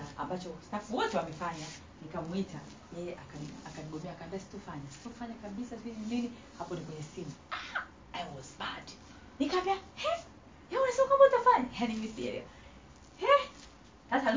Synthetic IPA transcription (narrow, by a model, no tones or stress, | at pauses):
a̰mbat͡ʃɔstafuwɔtɛwamɛfaɲa | nikamwita | jɛjɛʔakaniakaniɠɔmɛakaːmbiasi̥tɔfaɲasi̥tɔfaɲakaɓisasivinini | hapɔnikwɛɲɛsimaa | ajwɔzbad | nikaviahɛ | jaunasɔkabɔtafaɲahanimisɛ̰ɾḭa̰ | hɛ | sasa